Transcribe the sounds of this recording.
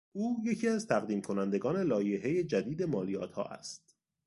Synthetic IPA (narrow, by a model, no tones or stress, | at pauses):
uːje̞cʰiæzt̪ʰæɣd̪iːmkʰo̞nænd̪e̞ɡɒːne̞lɒːjeɦe̞je̞d͡ʒæd̪iːd̪e̞mɒːlijɒːt̪ʰhɒ̰ːʔæ̰st̪̚